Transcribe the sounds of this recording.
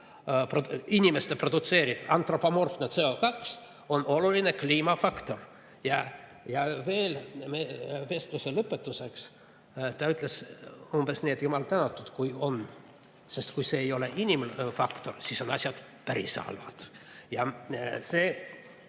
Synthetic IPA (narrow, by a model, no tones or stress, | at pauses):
proinʲimest̪epro̞d̪̥ut̪se̞ːɾid̥̪ɑnt̪ro̞pomorfnet̪se̞o̞kɑks | o̞no̞luline̞kliːmɑfɑkt̪o̞r | jɑ | jɑve̞ːlmeve̞st̪luselɤpːˑet̪ːuse̞ks | t̪ɑyt̪ːˑle̞sumb̥e̞sne̞ːd̪jumɑlt̪ænɑt̪ːˑud̪̥kujo̞n | se̞st̪kujse̞ːjo̞leʔinʲimlfɑkt̪o̞rsiso̞nɑsʲjɑd̪̥ | pæɾisɑ̰lvɑ̰d̪̥ | jɑse̞ː